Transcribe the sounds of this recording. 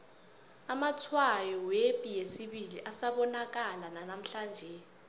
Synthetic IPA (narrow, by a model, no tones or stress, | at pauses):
amatʰwajɔwepʼijesiɓiliʔasaɓɔnak̬alananam̩ɬaːnd͡ʒʱɛ